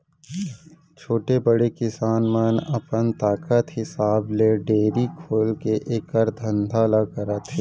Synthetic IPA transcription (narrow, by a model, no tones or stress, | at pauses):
t͡ʃʰoːʈebəɽekɪsaːnmənɐpənt̪aːkət̪ɦɪsaːbleɖeːɾikʰoːlkeʔeːkəɾd̪ʱə̃nd̪ʱaːlakəɾat̪ʰe